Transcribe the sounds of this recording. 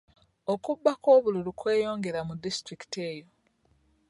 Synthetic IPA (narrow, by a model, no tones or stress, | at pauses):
o̞kubːako̞ːβululukwe̞ːjo̞ːŋɡe̞ɾamudistɾiki̥te̞ːjo̞